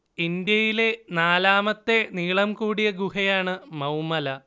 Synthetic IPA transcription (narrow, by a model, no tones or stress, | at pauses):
ind̪jɐjile̞naːlaːmɐt̪ːe̞niːɭɐmkuːɽijɐɡuhɐjaːɳɨmɐwmɐlɐ